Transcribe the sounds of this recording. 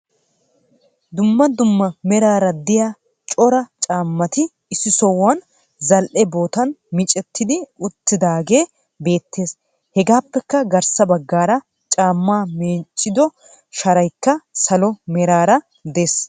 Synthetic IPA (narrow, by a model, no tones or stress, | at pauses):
d̪ʊmːɐd̪ʊmːɐmɛɾaːɾɐd̪ɪja | t͡ʃʼɔɾɐt͡ʃʼaːmːɐt̪ɪ | ɪsːɪsɔwːɐn | zɐlʔɛbo̞ːt̪ɐnmɪt͡ʃʼɛt̪ːɪd̪ɪʊt̪ːɪd̪aːɡe̞ː | be̞ːt̪ʰːe̞ːs | hɛɡaːpːɛkːɐɡɐɾsɐbɐɡːaːɾɐ | t͡ʃʼaːmːaːmeːt͡ʃʼːɪd̪ɔ | ʃɐɾɐjkːɐsɐlɔmɛɾaːɾɐ | d̪eːs